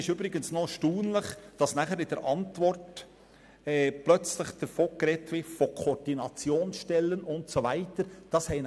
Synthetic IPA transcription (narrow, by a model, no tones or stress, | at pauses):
ɪʃyːbɾɪɡənsnoʃtuːnlɪχd̥ɑsnæχəɾɪd̥əɾʔɑntvɔrt | ɛːplœt͡slɪχd̥əfoːɡ̥ɾɛtʋɪtfokʰod̥inɑt͡sjoːnsʃtɛlːənʊntsovæɪtəɾd̥ɑshɛɪn